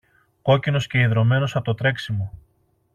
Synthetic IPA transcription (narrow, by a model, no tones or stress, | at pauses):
ko̞cino̞sce̞iðɾo̞me̞no̞sɐt̪ot̪ɾe̞ksimu